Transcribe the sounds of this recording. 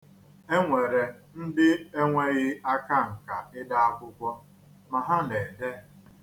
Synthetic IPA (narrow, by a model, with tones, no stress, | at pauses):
e˦ŋʷe˨ɾe˨ | n̩˦dɪ˦e˦ŋʷe˦ɣɪ˦a˦ka˦˨ŋ̩˨ka˨ɪ˦da˦a˦kʷʊ˦kʷɔ˦ | ma˨ɦa˦ne˨de˦˨